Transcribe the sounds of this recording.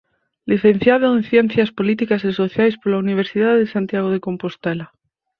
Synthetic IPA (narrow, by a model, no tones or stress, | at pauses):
liθẽn̟θjaðoẽnθjen̟θjaspolit̪ikaseso̞θjajspolauniβ̞eɾsiðaððesant̪jaɣ̞oðeko̞mpost̪ela